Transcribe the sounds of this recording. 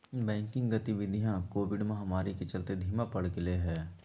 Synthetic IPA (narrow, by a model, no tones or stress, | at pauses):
bɛ̃ːŋkɪ̃ŋɡɡət̪iʋɪd̪ʱijãkoːʋɪɖmẽɦɐmaːɾikit͡ʃɐlt̪ed̪ʱiːmapɐɽ̤kɪleɦɛː